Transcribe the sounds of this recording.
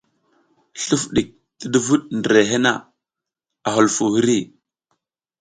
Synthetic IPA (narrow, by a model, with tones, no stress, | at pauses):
ɬu˦fɗi˨k̚ | ti˦du˦vu˦ɗndə˨ɾe˨ɦe˦na̰˦˨ | a˨ɦu˨lfu˨hi˦ɾi˦˨